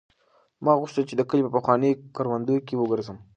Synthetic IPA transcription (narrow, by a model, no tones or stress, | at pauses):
mɑɣʊʃt̪əlt͡ʃed̪əkəlipəpəxwɑnekɑɾwand̪ujokewəɡəɾzəm